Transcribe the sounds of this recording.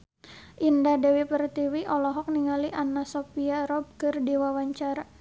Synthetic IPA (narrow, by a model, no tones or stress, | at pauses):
ʔindadɛwipərt̪iwiʔɔlɔɦɔk̚niŋaliʔanasɔpiaɾɔb̚kɨrdiwawaɲt͡ʃaɾa